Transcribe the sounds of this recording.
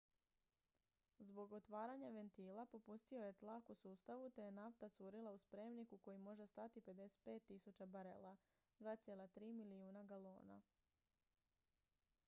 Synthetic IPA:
zbo̞ɡo̞t̪ʋaːɾaɲaʋe̞nt̪iːlˠapo̞pust̪io̞je̞t̪lakusuːst̪aʋut̪e̞jenaft̪at̪suːɾilˠauspɾe̞mnikuko̞jimo̞ʒest̪at̪ipe̞d̪e̞se̥t̪̚pe̞ːt̪ːisut͡ɕabaɾḛlˠa | d̪ʋaːt̪sjelat̪ɾiːmiliuːnaɡalo̞ːna̰

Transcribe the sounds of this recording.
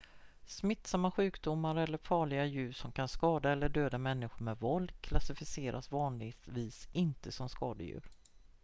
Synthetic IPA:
smɪt̪ːsamːaɧʉ̟ːkd̪ʊmːaɾɛlːəɾfɑːɭɪɡajʉ̟ːʂɔmkʰanskɑːd̪aɛlːəɖøːd̪amɛnːɪɧʊɾmɛvɔld̪kʰlasɪfɪseːɾʔasvɑːnlɪɡ̪viːsɪnt̪əsɔmskɑːd̪ə̰jʉ̟̰ːɾ

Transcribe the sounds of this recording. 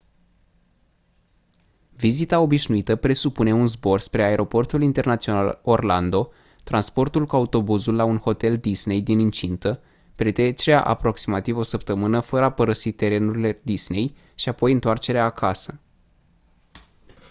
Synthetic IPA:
vizit̪ao̞biʃnuit̪əpɾe̞supune̞unzbo̞rspɾe̞ae̞ɾʔo̞po̞rt̪ulint̪e̞rnat̪sio̞nalo̞rland̪o̞ | t̪ɾanspo̞rt̪ulkuaut̪o̞buzulːaunho̞t̪e̞ld̪isne̞jd̪inɨnt͡ʃint̪ə | pɾe̞t̪ɾe̞t͡ʃe̞ɾea̰ʔa̰pɾo̞ksimat̪ivo̞səpt̪əmɨnəfəɾəapəɾəsit̪e̞ɾe̞nuɾile̞d̪isne̞j | ʃiapo̞jɨnt̪oart͡ʃe̞ɾeaːkʰasə

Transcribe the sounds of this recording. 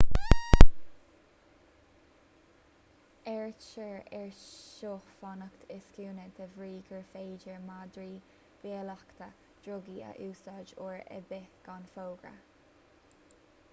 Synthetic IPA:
ɛɹt͡ʃəɹɛɹʃoːxfɔnəkt̪ʰɪskuːnəd̪əvɹiːɡəɹfeːd͡ʒəɹmad̪ɹiː | b̥iəlakt̪ʰə | d̪̥ɹʊɡiə̰ʔuːsad͡ʒoːɹə̰bɪɡ̥anfoːɡɹə̰

